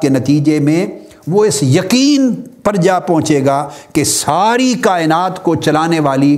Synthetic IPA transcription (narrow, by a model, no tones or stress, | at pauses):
kenɐt̪iːd͡ʒemẽ | ʋoɪsjɐqiːnpɐɾd͡ʒaːpɐ̃ɦʊ̃t͡ʃeːɡaːkesaːɾikaːɪnaːt̪kot͡ʃɐlaːneʋaːli